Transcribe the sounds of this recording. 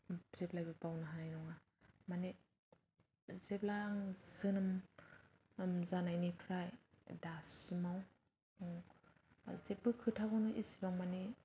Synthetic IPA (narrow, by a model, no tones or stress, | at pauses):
z̥eplajbɯbawnɯɦanajnɔŋa | mane | zeplaŋz̥ɯnɯm | mzanajnipʰɾaj | dasimaw | zep̚ɯkʰɯtʰaɡɔnɯʔisibaŋmani